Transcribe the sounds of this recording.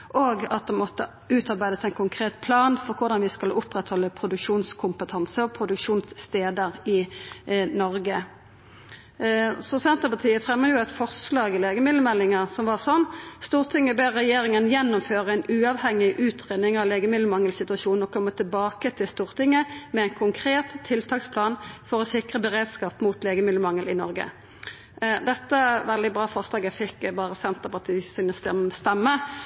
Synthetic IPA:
ʔoːɡɑt̪̚d̪ɛmɔt̪ːə | ʉːt̪ɑʁbæɪd̪əsæɪnkʰʊŋkʰʁeːt̪pʰlɑːnfɔʁkʰʊʁd̪ɑnʋɪskɑlʊpʁɛt̪hɔlːəpʰɾʊd̪ʉkʃuːnskʰʊmpət̪ʰɑnsəɔpʰʁʊd̪ʉkʂuːnsːt̪eːd̪əʁɪ | nɔɾɡə | sɔsɛnt̪ʁəpɑt̪ʰiːəfʁɛmːəjʊæɪt̪fɔʁslɑːɡɪleːɡəmɪd̪ləmɛlːɪŋəsɔmʋɑʁsɔnːst̪uːʁt̪ʰɪŋːəbeːʁːɛjeːɾɪŋənjɛnːʊmføːʁəæɪnʉːɑʋhɛŋɪʔʉːt̪ʰʁeːd̪nɪŋɑʋleːɡəmɪd̪ləmɑŋːəlsɪt̪ʉɑʃuːnɔkʰɔmːət̪ʰɪlbɑːkət̪ʰɪlst̪uːʁt̪ɪŋːəmɛæɪnkʰʊŋkʰʁeːt̪ʰːɪlt̪ʰɑːkspʰlɑːnfɔɾɔsɪkʁəbəɾeːd̪skɑːpmut̪leːɡəmɪd̪ləmɑŋəlɪnɔɾɡə̰ | d̪ɛt̪ːəʋɛld̪ɪbɾɑːfɔʁslɑːɡæfɪkbɑːʁəsɛnt̪əʁpɑʁt̪ʰiːsɪnəst̪ɛst̪ɛmːə

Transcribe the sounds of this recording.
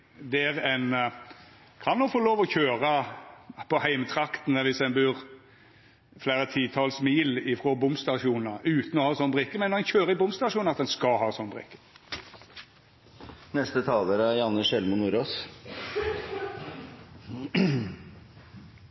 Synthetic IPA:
d̪ɛæʁɛn | kʰɑnːɔkfoloːʋɔçøːʁə | pʰɔhæɪmət̪ʰɾɑkt̪ənəʋɪsɛnbʉːʁ | flæɪʁət̪ʰiːt̪ʰɑlsmiːlɪfʁɔbʊmst̪ɑʂuːnəʔʉːt̪n̩ɔhɑːsɔnːəbʁɪkːəmɛnːɔɛnçøːɾəɪbʊmst̪ɑʂuːnɑt̪̚d̪ɛnskɑɦɑːsɔnːbʁɪ̰kːə̥ | nɛst̪ət̪ʰɑːləɾəæɾjɑnːəʂɛlmʊnuːɾoːs

